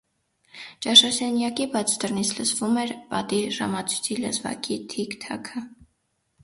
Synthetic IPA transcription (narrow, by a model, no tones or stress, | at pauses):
t͡ʃɑʃɑsɛnjɑkibɑt͡sʰt̪ərnit͡sʰləsvumɛɾpɑt̪iʒɑ̰mɑt͡sʰu̥t͡sʰilə̰zvɑ̰kit̪ʰikt̪ʰɑkʰə